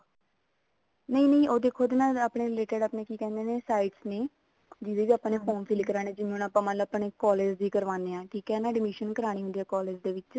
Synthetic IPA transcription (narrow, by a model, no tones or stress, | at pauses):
nəĩːnəĩːoːd̪eːkʰoːd̪enaːaːpɳeːleːʈeɖaːpneːkiːkɛ̃ːnd̪eːneːsaːiʈsneː | d͡ʒieːʋiːaːpːãːneːpʰoːnpʰiːlkəɾaːñẽːd͡ʒɪnẽnaːpãːmənləpneːkɔːleːd͡ʒd̪iːkəɾʋãːneːãːʈʰiːkɛːnaːɖɪmɪʃənkəɾaːɽ̃iːɦʊ̃nd̪iːɛːkɔːleːd͡ʒd̪eːʋɪt͡ʃ